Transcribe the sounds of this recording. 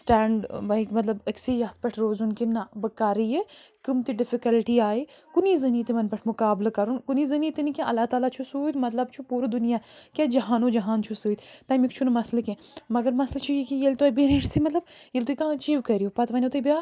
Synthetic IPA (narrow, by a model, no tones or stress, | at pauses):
sʈaːɳɖbɐjkmɐt̪lɐbɐksijaːt̪̚ʰpɐʈʰɾoːzunkinːabɐkaːɾijekɨmt̪iɖɪfikɐlʈiaːi | kunizɐniːt̪imɐnpɐʈʰmʊkaːblakɐɾunkunizɐnit̪inikʲẽʔɐlːaːt̪aːlat͡ʃʰusuːd̪mɐt̪lɐb̚t͡ʃʰupuːɾd̪unijakʲad͡ʒɐɦaːnud͡ʒɐɦaːnt͡ʃʰusuːd̪t̪ɐːmikt͡ʃʰunmɐslɐkẽ | mɐɡɐɾmɐslɐt͡ʃʰujkijelt̪ubeɾeʈt̪ʰimɐt̪lɐb̚jelt̪oikãɐt͡ʃiːʋkɐɾijopɐt̪ʋɐnʲot̪ibʲjaː